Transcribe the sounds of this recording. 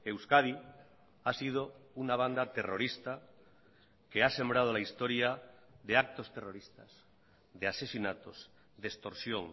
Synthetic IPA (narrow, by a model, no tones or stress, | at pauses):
ewskaði | asið̞ounaβ̞and̪at̪e̞roɾist̪a | kease̞mbɾað̞olaist̪oɾjaðeak̚t̪o̞st̪ero̞ɾist̪a̰z̥ | ðease̞sinat̪oz | ðest̪o̞ɾsjoŋ